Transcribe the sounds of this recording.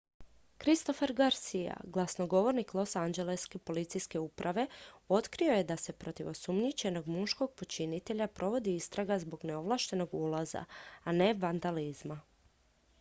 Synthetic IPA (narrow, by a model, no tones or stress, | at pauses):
kɾist̪o̞feɾɡaɾsija̰ɡlˠasno̞ɡo̞ʋo̞ɾniklˠo̞sand͡ʒe̞leske̞po̞lit̪sijske̞upɾʔaʋe̞o̞t̪kɾio̞je̞d̪ase̞pɾo̞t̪iʋo̞sumɲit͡ɕe̞no̞ɡmuʃko̞ɡ̚po̞t͡ʃinit̪e̞ʎapɾo̞ʋo̞d̪iist̪ɾaɡazbo̞ɡne̞o̞ʋlˠaʃt̪e̞no̞ɡulˠaza̰ːne̞ʋand̪alizma